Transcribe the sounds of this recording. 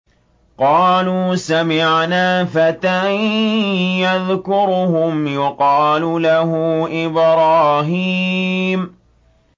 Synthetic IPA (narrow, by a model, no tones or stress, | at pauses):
qɑːluːsamɪʕnaːfat̪a | jaðkʊɾʊhʊmjʊqɑːlulahʊʔɪbɾˤɑːɦiːm